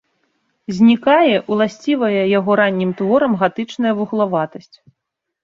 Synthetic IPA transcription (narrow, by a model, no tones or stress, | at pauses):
zʲnʲikajɛʔwlˠasʲt͡sʲivɐjɛjaɣɔɾanʲːimt̪vɔɾɐmɣat̪ɨt͡ʂnɐjɐvuɣlˠavat̪ɐsʲt͡sʲ